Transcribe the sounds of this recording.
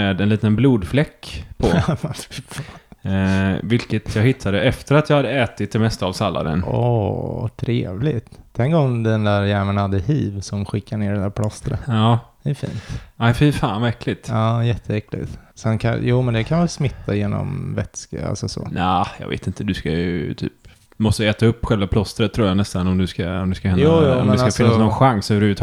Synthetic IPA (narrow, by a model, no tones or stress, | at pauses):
ɛd̪ɛnliːt̪ənbluːd̪flɛkːpʰɔafɾfa | vɪlkət̪ʰjɑːhɪt̪ʰːad̪əʔɛft̪əɾat̪jɑːhad̪ːəɛːt̪ɪt̪ʰːɪlmɛst̪avsalːa̰ɾə̰nʔɔt̪ʰɾeːvlɪɡt̪t̪ʰɛŋkɔmd̪ɛnd̪æɾjæɛːɳənhad̪ːəhiːvsɔmɧɪkːaɳeːɖɛnd̪æːɾpʰlɔst̪əɾə̰ɑːd̪̥ɛæfḭːnt̪aɪfɪfaːnvaɛkʰlɪt̪ɑːjɛt̪ʰːəɛklɪ̰t̪sɛnkʰajuːmɛnd̪ɛkʰanʋɛlsmɪt̪ːajeːnɔ̰mvɛt̪skaa̰lsɔsɔ̰najɑ̰ːɡvḛːt̪ɪnt̪ʰəd̪ʉskajɵt̪ʰy̰ːp | mɔst̪əɛːt̪aɵpːɧɛlvapʰlɔst̪əɾət̪ʰːɾuːɾjanɛst̪anɔmd̪ɵskaɔmd̪ɵskahɛnj̪uaːjuːɔmɛnsakasfɪnːsnɔnɧaŋsœvəɾʉvət̪ʰː